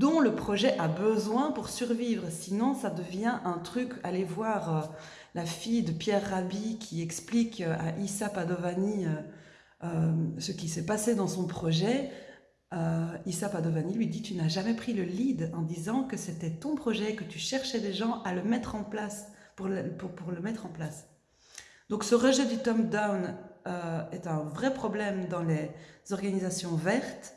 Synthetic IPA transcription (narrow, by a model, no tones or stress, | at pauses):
d̪ɔ̃ləpχɔʒɛʔabəzwɛ̃puʁsyʁviːvʁəsinɔ̃sad̪əvjɛ̃ʔɛ̃t̪χykalevwaːʁø | lafijd̪əpjɛʁːabikʲʰiɛksplikøʔaʔisapad̪ɔvaniø | øsəkʲisɛpased̪ɑ̃sɔ̃pχɔʒɛ | øisapad̪ɔvanilɥid̪it̪ynaʒamɛpχiləlid̪ɑ̃d̪izɑ̃kəset̪ɛt̪ɔ̃pχɔʒɛekət̪yʃɛʁʃɛd̪eʒɑ̃ʔaləmɛt̪χɑ̃plaspupupuʁləmɛt̪χɑ̃plas | d̪̥ɔ̃ksəʁəʒɛd̪yt̪ɔmd̪awnøɛt̪ɛ̃vʁɛpχɔblɛmd̪ɑ̃lez̥ɔʁɡanizasjɔ̃vɛʁt̪